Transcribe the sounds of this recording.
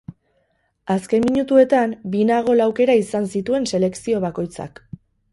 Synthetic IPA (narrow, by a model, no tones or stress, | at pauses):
aske̞mːiɲut̪ue̞t̪ambinaɣ̞o̞lawke̞ɾaisansit̪ue̞nse̞le̞ksio̞βako̞jt͡sa̰k